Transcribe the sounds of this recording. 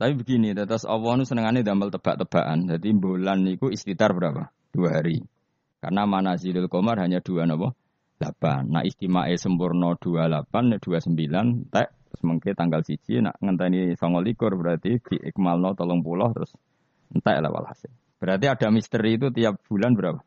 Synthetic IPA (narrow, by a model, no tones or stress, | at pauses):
sawibəɡinit̪ət̪ɔsɔ̰wɔnusənəŋaned̪amalt̪əb̥aʔt̪əb̥aʔand̪̥ad̪imbolanikuist̪it̪arb̥əɾapa | d̪̥uaɦaɾi | ka̰rnamanazidɪlkomarɦaɲad̪̥uanɔpɔ | lab̥anːa̰ʔist̪imaʔesəmpʊrnɔd̥ualapand̪̥uasəmbilannt̪ɛʔt̪ɾʊsməŋket̪aŋɡalsid̥d͡ʒ̥ḭna̰ʔŋənt̪ɛnisɔŋɔlikʊrb̥əɾart̪id̪̥iʔɪ̰kmalnɔt̪ɔlɔŋpulɔht̪ɾʊs | nt̪ɛ̰ʔla̰wa̰la̰se | b̥əɾart̪̬iad̥a̤mist̪əɾiːt̪̬ut̪ijap̚b̥ulanbəɾapa